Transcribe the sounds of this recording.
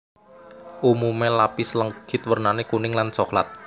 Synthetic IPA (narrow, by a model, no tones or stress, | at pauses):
ʔumumelapisləŋɡ̥ɪt̪̚wərnanekunɪŋlansɔkla̰t̪̚